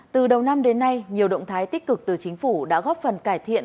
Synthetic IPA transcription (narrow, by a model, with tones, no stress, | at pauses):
t̪ɨ˨˩ɗə˨˩wna˧mɗe˨˦nːa˧jɲi˨˩əwɗə̰˧˨wŋ͡mt̪ʰaː˨˦jt̪i˦˥k̚kɨ˨˩k̚t̪ɨ˨˩t͡ɕï˨˦ŋ̟fu˧˩ɗa̰ː˧˥ɣɔ˦˥p̚fə˨˩nkaː˧˩jt̪ʰḭ˧˨ən